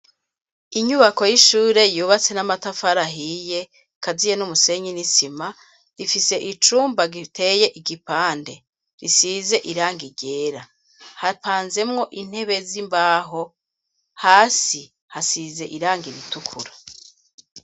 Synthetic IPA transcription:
iɲuβako̞jiʃuːɾe̞juːβat͡se̞namatafaɾaɦije̞ | kazijenumuse̞ɲinisima | ɾifise̞ʔit͡ʃuːmbaɡitʰe̞je̞ʔiɡipaːnde̞ | ɾisize̞ʔiɾaːŋɡiɟe̞ːɾa | hapʰaːnze̞mŋo̞ʔin̥he̞βe̞zimbaːɦo̞ | haːsi | hasize̞ʔiɾaːŋɡiɾitukʰuɾa

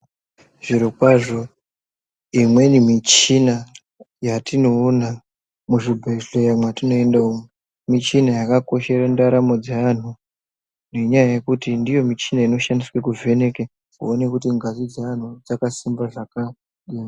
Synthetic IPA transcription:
ʐ̥iɾokwaʐo̞ | imwe̞nimit͡ʃina | jatinoːna | muʐibʱeɬojamwatino̞endaumu | mit͡ʃinajakako̞ʃe̞ɾandaɾamo̞d͡zean̤u | ne̞ɲajaje̞kutindijo̞mit͡ʃinaino̞ʃandiswekuve̞ne̞ke | kuone̞kutiŋɡazid͡zean̤ud͡zakasimbaʐaka | ɗiːma

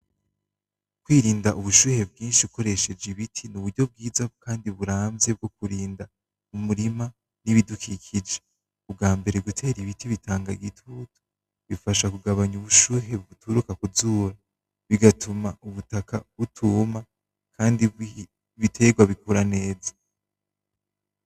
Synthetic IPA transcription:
kwiːɾiːndaʔuβuʃuːhe̞b̚ɡiːnʃiuko̞ɾe̞ʃe̞d͡ʒiβitʰinuβuɾɟo̞b̚ɡiːzakʰaːndiβuɾaːnze̞b̚ɡo̞kuɾiːnda | umuɾima | niβidukʰikʰid͡ʒe̥ | ub̚ɡaːmbe̞ɾeɡutʰe̞ːɾiβitiβitʰaːŋɡaɡitʰutu̥ | βifaʃakuɡaβaɲuβuʃuːɦe̞βutʰuɾukakuzuːɾa | βiɡatʰumauβutakaβutʰuma | kʰaːndi | βitʰe̞ɡwaβikuɾane̞ːzḁ

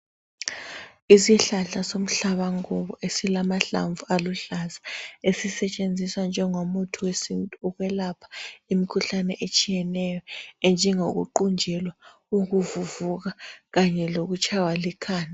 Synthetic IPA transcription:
isiɬaɬasom̩ɬaβaŋuβɔʔesilamaɬa̰ɱvualuɬazaesisɛt͡ʃʼend͡zʱiswand͡ʒʱɛŋomutʰuwesintʼuuɣwɛlapʰḁimikʰuɬanɛʔet͡ʃʼijɛnɛjɔɛnd͡ʒʱɛŋoɣ̬ṵǃund͡ʒʱɛlwa | uɣ̬uvuvuɣ̬aɣaɲɛloɣut͡ʃʰʼawalikʰaːna

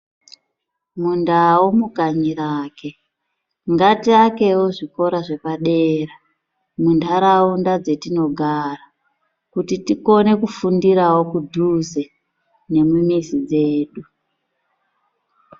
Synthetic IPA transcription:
mundawomukaɲiɾaːke̞ | ŋɡatiake̞wo̞ʐiko̞ɾaʐe̞paɗeːra | mundaɾaundad͡ze̞tino̞ɡʱara | kutitiko̞ne̞kufundiɾawo̞kudʱuze | ne̞mumisid͡ze̞ːɗu

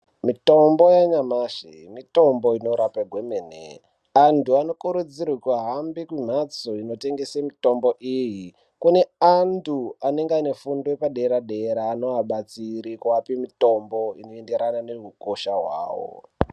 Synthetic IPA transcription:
mito̞mbo̞jaɲamaʃemito̞mbo̞ino̞ɾapaɡʱwemeːnḛ | antuano̞kuɾud͡zirikwaɦambikim̤at͡soino̞te̞ŋɡesemito̞mboʔiji | kune̞anduane̞ŋɡane̞fundoepaɗeɾaɗeɾaːno̞ɦaɓat͡siɾikuapimito̞mbo̞inoe̞nde̞ɾananerukoʃaɦwa̰ːwo̰

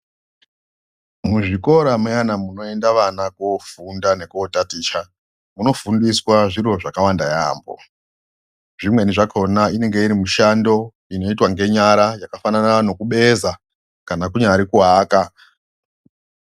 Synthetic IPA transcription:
muʐiko̞ɾamujanamuno̞e̞ndaʋanakofundane̞kuotatiːt͡ʃa | muno̞fundiswaʐiro̞ʐakawandaja̰ːmbo̞̰ | ʐimwe̞niʐakonaine̞ŋɡe̞iɾimuʃando̞ | ino̞itwaŋɡe̞ɲaɾajakafananano̞kuɓe̞za | kanakuɲaɾikuɦaːka

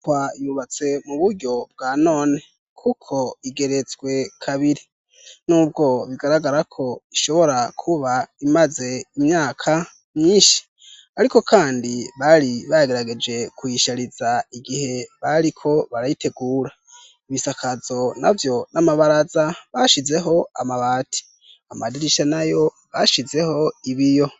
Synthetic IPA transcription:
wajuβat͡se̞muβuɾɟo̞b̚ɡaːno̞ːne̞ | kʰukʰo̞iɡe̞ɾe̞zɡwe̞kʰaβiɾi | nuːb̚ɡo̞βiɡaɾaɡaɾakʰo̞iʃo̞βo̞ɾakʰuβaimaze̞imɲaːkʰa | mɲiːnʃi̥ | aɾiko̞kʰaːndiβaɾiβajaɡeɾaɡe̞d͡ʒe̞kwiʃaɾizaiɡihe̞βaɾikʰo̞βaɾajite̞ɡuːɾa | iβisakʰazo̞na̰vjo̞namaβaɾazaβaʃize̞ɦo̞amaβaːti̥ | amadiɾiʃanajo̞ | βaʃize̞ho̞iβijo̞

